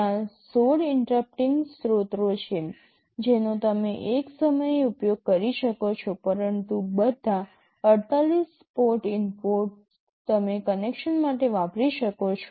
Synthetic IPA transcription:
asoɽɪɳʈɾap̚ʈiŋɡsɾot̪ɾot͡ʃʰe | d͡ʒenot̪əmeʔeksəməjeupjoɡ̚kəɾiʃəkot͡ʃʰopəɾənt̪ubəd̪ʱa | əɾt̪alis | poʈɪnpoɾʈ | t̪əmekənekʃənmaʈeʋapɾiʃəkot͡ʃʰo

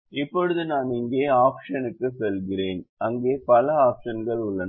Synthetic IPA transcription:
ɪpːɔɽɯðɯnaːnɪŋɡeːaːpʂɐnɯkːɯsɛlɣɪreːnɐŋɡeːpɐlɐaːpʂɐnɡɐɭʊɭːɐn

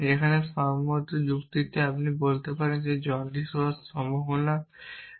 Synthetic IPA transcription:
ekʰanesamːɔt̪od͡ʑukt̪it̪eapnibolt̪epaɾend͡ʑed͡ʑɔnd̪iʃoaʃɔmoɦona

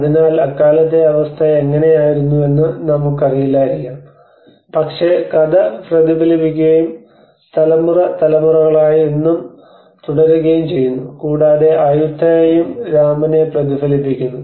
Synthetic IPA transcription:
ɐðinaːlɐkːaːlɐt̪ːeɐʋɐst̪ʰɐeŋːɐne̞jaːjiɾunːue̞nːɨnɐmukːɐrijilːaːɾikʲːaːm | pɐkʂe̞kɐðɐprɐðibʱɐlipːikʲːuɣɐjum | st̪ʰɐlɐmːurɐt̪ɐlɐmurɐɣɐɭaːjienːum | t̪uɽɐɾuɣɐjumt͡ɕe̞jːunːukuːɽaːðe̞ʔɐjut̪ʰːɐɐjumɾaːmɐne̞prɐd̪ibʱɐlipːikʲːunːu

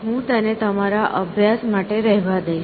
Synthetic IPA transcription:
ɦũt̪ənet̪əmaɾaʔəbʱjasmaʈeɾɛɦʋad̪əiʃ

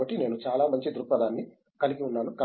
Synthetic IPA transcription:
ɐʈːine̞ːnut͡ʃaːlaːmɐɲt͡ʃid̪uɾpːɐd̪aːnːi | kɐliɡiunːaːnukɐ

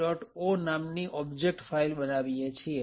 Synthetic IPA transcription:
ɔʈonamniʔɔbd͡ʒek̚ʈfailɓənaʋiet͡ʃʰie

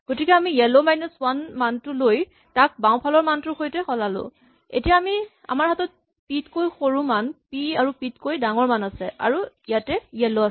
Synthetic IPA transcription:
ɡ̥otikɛamijɛlɔmajnɔswanmantʊloj | tak̚bawpʰalɔɹmantʊxojtɛxɔlalʊ̰̃ | ḛtijaːmi | a̰maɹhatɔt̚ | pitkojxoɹũmanpiaɹupitkojdaŋɔɹmanasɛʔa̰ɹuijatɛjɛlɔa

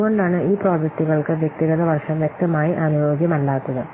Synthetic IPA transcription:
ɣo̞ɳɖaːɳɨʔiːproːd͡ʑek̚ʈuɣɐɭkɨʋjek̚t̪iɣɐðɐʋɐrʂɐmʋjek̚t̪ɐmaːjiʔaːnujoːɡjɐmɐɭːaːt̪ːɐðɨ

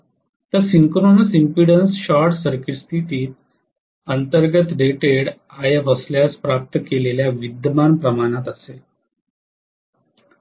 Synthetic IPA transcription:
t̪əsiŋkɾonəsimpiɽənsɕaɾʈsəɾkist̪ʰit̪iːt̪̚ | ənt̪əɾɡət̪ɖeʈeɽajəʋəsljaspɾap̚t̪əkeleljaʋid̪əmanpɾəmaɽ̃at̪əse

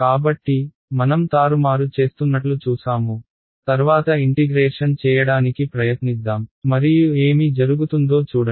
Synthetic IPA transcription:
kaːbɐʈːi | mɐnɐmt̪aːɾumaːɾut͡ʃe̞ːst̪unːɐʈlut͡ʃuːsaːmu | t̪ɐɾʋaːt̪ɐiɳʈiɡɾeːʂɐnt͡ʃɛːjɐɽaːnikipɾɐjɐt̪nid̪ːaːmmɐɾijue̞ːmid͡ʒɐɾuɡut̪und̪o̞ːt͡ʃuːɽɐ

